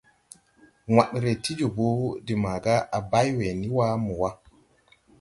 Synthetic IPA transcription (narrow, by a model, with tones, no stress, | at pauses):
ŋa˨ɗɾe˨ti˦d͡ʒɔ˨bo˦di˨ma˨ɡa˦ʔa˨ba˦jwe˨ni˦wa˦mu˨wa˦